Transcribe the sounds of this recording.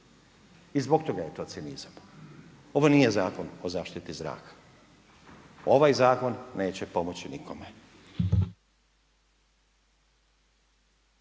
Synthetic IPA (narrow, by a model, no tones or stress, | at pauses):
izbo̞kt̪o̞ɡaje̞t̪o̞ːt̪siniz̥am | o̞ʋo̞nijezaːko̞nozaːʃt̪it̪izɾa̰ːkʰḁ | o̞ʋajzaːko̞nːe̞ːt͡ɕepo̞mot͡ɕinikʰo̞me